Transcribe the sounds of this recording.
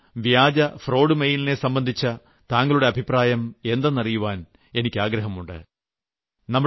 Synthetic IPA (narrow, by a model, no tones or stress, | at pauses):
ʋjaːd͡ʑɐfro̞ːɽɨmejilinesɐmbɐnd̪ʱit͡ɕːɐ | t̪aːŋɡɐɭuɽe̞ɐbʱipraːjɐme̞nd̪ɐnːɐrijuʋaːn | e̞nikʲːaːɡɾɐɦɐmuɳɖɨ̰ | nɐmːu